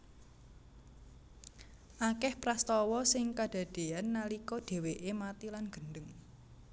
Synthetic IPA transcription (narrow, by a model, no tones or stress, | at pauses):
ʔakɛhpɾast̪ɔwɔsɪŋkad̥a̤d̥e̤anːalikɔd̥e̤weʔemat̪ilanɡ̥ə̤ndəŋ